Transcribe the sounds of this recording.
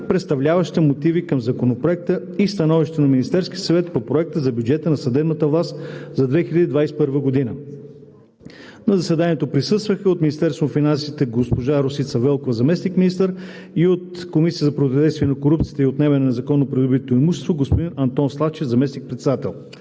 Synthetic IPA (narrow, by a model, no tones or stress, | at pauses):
pɾɛt̪st̪ɐvlʲavɐʃt̪ɛmot̪ivikəmzɐkonopɾoɛk̚t̪ə | ist̪ɐnɔviʃt̪onɐminist̪ɛɾskʲiəsɐvɛt̪popɾoɛk̚t̪əzɐbjud͡ʒɛt̪ənɐsɐd̪ɛbnət̪əvlˠast̪zɐd̪vɛxilʲəd̪id̪vajsɛ̥pɤɾvəɡod̪inə | nɐzɐsɛd̪aniɛt̪opɾisɤst̪vəxəot̪minist̪ɛɾst̪vonfinansit̪ɛɡospoʒaɾosit̪sɐvɛlˠkovəzɐmɛsnikmʲinist̪əɾ | iot̪ | komisiət̪zɐpɾot̪d̪ɛst̪viɛnɐkoɾup̚t̪sijət̪əiot̪nɛvɛnɐnɛzɐkɔnːopɾid̪ʊbit̪oimuʃɛ̥st̪voɡospod̪inɐnt̪ɔnslˠaft͡ʃɛfzɐmɛsnik̚pɾɛt̪sɛd̪at̪ɛ̰lˠ